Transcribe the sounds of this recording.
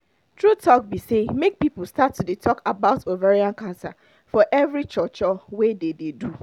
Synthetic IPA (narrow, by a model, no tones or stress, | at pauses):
tʰɹutʰɔk̚bisemek̚pipl̩ˠstatːudetʰɔkabaʊtovaɹiãnkãnsa̰ | fɔʔɛvɹit͡ʃɔt͡ʃɔwedededu